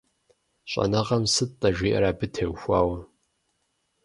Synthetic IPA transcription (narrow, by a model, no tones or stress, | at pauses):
ɕʷʼɐ̰nɐʁɐmsɨt̚ʼtʼɐʒʷiːʔɐ̰ɾaːbɨtʰewxʷaːwɐ